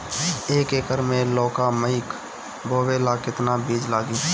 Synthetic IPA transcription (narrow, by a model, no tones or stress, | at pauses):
eːkeːkəɾmẽlɔːkaməɪk | bʱoːʋelaːkɪt̪nabiːd͡ʒlaːɡiː